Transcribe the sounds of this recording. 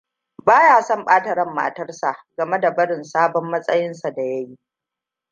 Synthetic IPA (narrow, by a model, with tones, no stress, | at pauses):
baː˦jaː˨sɔ˦˨mɓaː˦tɐ˦ɾɐ˦˨mːa̰ː˨tɐ˦rsa˨ʔɡɐ˨me˦da˨bɐ˦ɽɪ˨nsaː˦bɔ˦mːɐ˦sʼɐ˦jɪ˦nsa˨da˨jɐ˦jiː˦ʔ